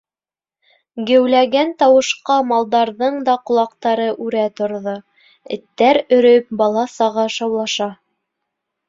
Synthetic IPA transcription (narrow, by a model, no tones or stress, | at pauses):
ɡɘ̆wlæɡænt̪ɑwɤ̆ʃqɑmɑlˠd̪ɑɾðɤɴd̪ɑqŏlˠɑqt̪ɑɾɤʔʉɾæt̪ŏɾðo | ɘ̆t̪ːæɾɵ̆ɾɵp̚bɑlˠɑsɑʁɑʃɑwlˠɑʃɑ